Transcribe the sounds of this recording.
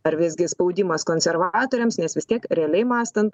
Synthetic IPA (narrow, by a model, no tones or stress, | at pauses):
ɐɾʋʲɪzʲɡʲɪspɐʊd̪ʲɪmɐskoːnʲsʲɛɾʋɑːt̪oːɾʲɛmsnʲɛsʋʲɪst̪ʲiɛkɾʲɛɐlʲɛɪmɑːst̪ɐnt̪